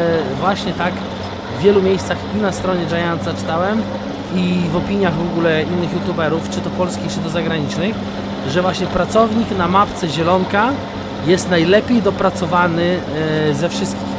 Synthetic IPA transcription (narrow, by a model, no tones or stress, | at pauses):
vwaɕɲɛt̪ak | vːʲjɛlumʲjejst̪saxinast̪ɾɔɲɛd͡ʐajant̪zat͡ʂɨ̥t̪awɛm | ivɔpʲiɲjaɣvɔɡulɛinːɘxjut̪ubɛɾuft͡ʂɘt̪ɔpɔlskʲixt͡ʂɘt̪ɔzaɡɾaɲit͡ʂnɘx | ʐɛvwaɕɲɛpɾat̪sɔvɲiknamapt̪sɛʑɛlɔŋka | jɛst̪najlɛpʲjejd̪ɔpɾat̪sɔvanɘ | zɛfʂɘst̪kʲix